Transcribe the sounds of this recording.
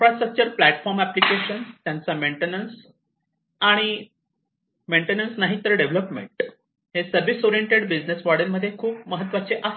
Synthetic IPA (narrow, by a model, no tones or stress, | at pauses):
ifɾasʈɾək̚t͡ɕəɾplæʈfɔɾmæplikeɕənt̪jãnt͡sameɳʈenəns | aɽ̃i | meɳʈenənsnaɦit̪əɾɖeʋləpmḛɳʈ | ɦesəɾbisoɾieɳʈeɽbid͡znesʋaɽinməd̪ʱːjekʰuːpməɦət̪ːʋat͡seʔə